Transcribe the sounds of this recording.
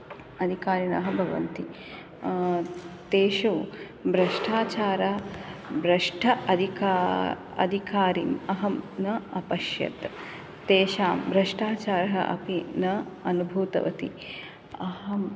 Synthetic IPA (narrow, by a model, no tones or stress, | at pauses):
ɐd̪ʱikaːɾinɐɦɐbʱɐʋɐ̰nt̪i | t̪eːʃu | bɾɐʂʈʰaːt͡ʃaːɾɐbɾɐʂʈʰɐʔɐd̪ʱikaː | ɐ̰d̪ʱikaːɾḭnɐɦɐmnɐɐpɐʃjɐ̰t̪ | t̪eːʃaːmbɾɐʂʈaːt͡ʃaːɾɐɦɐ̰ʔɐ̰pinɐɐnubʱuːt̪ɐ̰ʋɐt̪ḭ | ɐɦɐm